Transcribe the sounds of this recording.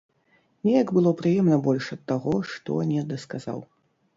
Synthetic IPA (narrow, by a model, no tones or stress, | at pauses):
nʲɛjɐɡbɨlˠɔpɾɨjɛmnɐbɔlʲʂɐt̪ːaɣɔʂt̪ɔ̰nʲɛd̪ɐskaza̰w